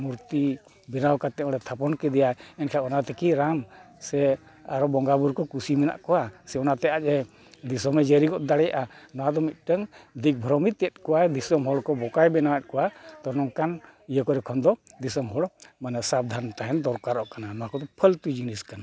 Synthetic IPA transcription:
muɾt̪i | bɛnawkat̪ɛɔɽɛt̪ʰapɔnkɛd̪ɛjaɛnkʰaɔnat̪ɛkiɾam | sɛ | aɾɔbɔŋɡabuɾkɔkusimɛna̰ʔkɔwasɛɔnat̪ɛat͡ʃɛ | d̪isɔmɛd͡ʒeɾiɡɔʔd̪aɽɛja̰ʔanɔwad̪ɔmit̪̚ˀʈəŋd̪ik̚bʱɾɔmit̪ɛt̪̚kɔwajd̪isɔmɦɔɽkɔbɔkajbɛnawat̪̚kɔwat̪ɔɾnɔŋkanijəkɔɾɛkʰɔnd̪ɔd̪isɔmɦɔɽmanɛsab̚d̪ʱant̪aɦɛnd̪ɔɾkaɾɔʔkananɔakɔd̪ɔpʰəlt̪ud͡ʒiniskana

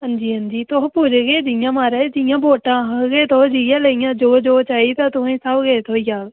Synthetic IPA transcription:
ɦənd͡ʒiːɦənd͡ʒiːt̪oɦpuːd͡ʒɡeːd͡ʒɪjãːmaːɾed͡ʒɪjãːboːʈãːɦəɡeːt̪ʰoːd͡ʒɪjãːləjãːd͡ʒoːd͡ʒoːt͡ʃaːiːt̪ãːt̪ʊẽːsəbɡeːt̪ʰoːijaːl

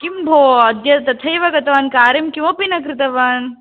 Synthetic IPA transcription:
kimbʱoːɐd̪jɐt̪ɐt̪ʰɐjʋɐɡɐt̪ɐʋaːnkaːɾimkimopinɐkɾit̪ɐʋaːn

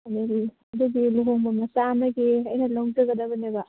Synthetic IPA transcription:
ɐni | ɐd̪uɡiluɦoŋbɐmɐsamɐɡiɐjnɐlɐwŋd͡ʒɐɡɐd̪ɐbɐnebɐ

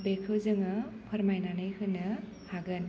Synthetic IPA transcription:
bekʰɯwzɯŋɯpʰɐɾmajnanɯjhɯnɯ | haɡɯn

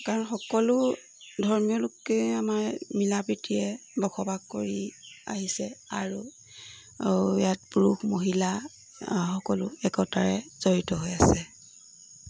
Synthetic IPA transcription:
kaɹɔnxɔkɔlʊ | dʱɔɹmijɔlʊkːeamaɹmilabɹitʰijɛbɔkʰɔbaɡkoɹia̰ɦisɛaɹu | jat̚puɹuxmoɦila | xɔkɔlʊɛkɔtaɹɛz̥ɔɹitɔɦojasɛ

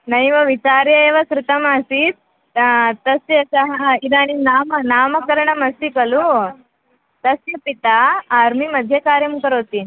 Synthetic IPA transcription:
nɐjʋɐʋit͡ʃaːɾjɐeːʋɐsɾɪt̪ɐmaːsit̪ | t̪ɐsjɐsɐɦɐɐid̪aːninaːmɐnaːmɐkɐɾɐɳɐmɐsikɐlu | t̪ɐsjɐpit̪aːɾmimɐd̪ʱjɐkaːɾjɐmkɐɾoːt̪i

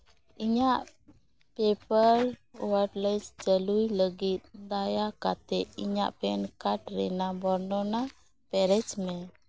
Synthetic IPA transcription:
iɲaʔ | pɛpəɾwəɖlajsd͡ʒəlujləɡit̪̚d̪ajakat̪ɛiɲa̰ʔpɛnkaʈɾɛnabɔɾnɔna | pɛɾɛt͡ʃmɛ

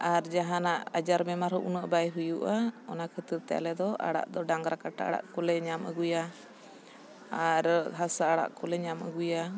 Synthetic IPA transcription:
aɾd͡ʒaɦãnaʔad͡ʒaɾbɛmaɾɦɔʔunəʔbajɦujuʔaɔnakʰət̪əɾt̪ɛa̰lɛd̪ɔʔa̰ɽa̰ʔd̪ɔɖaŋɡɾakaʈa̰ʔa̰ɽa̰ʔkɔlɛɲamə̰ɡuja | ɾɦasaaɽa̰ʔkɔlɛɲamə̰ɡuja

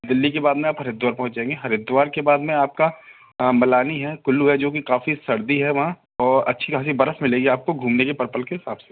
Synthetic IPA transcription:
d̪ɪlːikebaːd̪mẽaːpɦɐɾɪd̪waːɾpɐɦʊ̃nt͡ʃãẽːŋɡeɦɐɾɪd̪ʋaːɾkebaːd̪mẽaːp̚ka | mɐlaːniɦɛkʊlːuɦɛd͡ʒoːkikaːfisɐɾd̪iɦɛʋɐɦã | ɔːɾɐ̰tːʃʰikaːs̬ibɐɾəfmɪleːɡiaːp̚koɡʱuːmnekepɐɾpəlkeɦɪsaːbse̥

